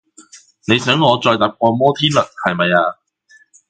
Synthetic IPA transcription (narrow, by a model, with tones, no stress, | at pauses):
ne˨˧jsœː˨˥ŋːɔː˨˧t͡sɔː˧jt̪a˨˧˥p̚k̚ʷɔː˧mɔː˥t̪ʰiː˥nlɵ˨t̚hɐ˨jmɐ˨jaː˧